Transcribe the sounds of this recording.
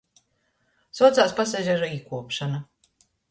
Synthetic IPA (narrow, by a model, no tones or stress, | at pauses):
sɔt̪saːspas̬ɛʒʲaʒɔiːkuɔpʃana